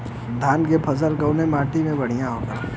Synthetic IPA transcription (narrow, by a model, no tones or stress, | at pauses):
d̪ʱaːnkepʰɐzəlkəʊnemaːʈimẽbɐɽ̤ijãɦoːɡa̰ː